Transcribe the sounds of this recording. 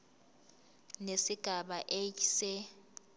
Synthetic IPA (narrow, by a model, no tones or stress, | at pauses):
nesiɡ̥ʱaɓaʔejsɛ